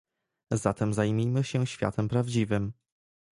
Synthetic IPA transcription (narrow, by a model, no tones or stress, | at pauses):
zat̪ɛmzajmʲimɘɕɛɕfʲja̰t̪ʰɛmpɾavd͡ʑivɘm